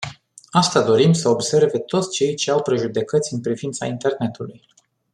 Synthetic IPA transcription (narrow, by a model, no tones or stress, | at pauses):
ast̪ad̪o̞ɾimsəo̞bse̞rve̞t̪o̞t̪sʲt͡ʃe̞jt͡ʃe̞awpɾe̞ʒud̪e̞kət̪sʲɨnpɾivint̪sa̰int̪e̞rne̞t̪uluj